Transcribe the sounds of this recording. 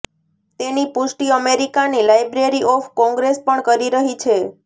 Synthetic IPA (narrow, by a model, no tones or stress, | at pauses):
t̪enipʊʃʈiəmeɾikanilajbɾeɾiʔɔfkɔ̃ŋɡɾespəɳkəɾiɾəɦit͡ʃʰe